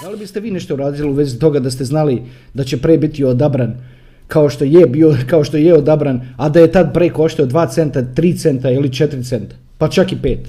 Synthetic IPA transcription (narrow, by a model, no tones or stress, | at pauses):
d̪alibist̪e̞ʋiːne̞ʃt̪ouɾaːd̪iliuʋezit̪o̞ɡad̪ast̪eznali | d̪at͡ɕe̞pɾeːbit̪iod̪abɾan | kao̞ʃt̪o̞jebiːokaoʃt̪o̞jeod̪abɾanad̪aje̞t̪ad̪̚pɾeːkoʃt̪eod̪ʋaːt̪se̞nt̪at̪ɾiːt̪se̞nt̪ailit͡ʃet̪ɾit̪se̞nt̪ḁ | pat͡ʃakipe̞ːt̪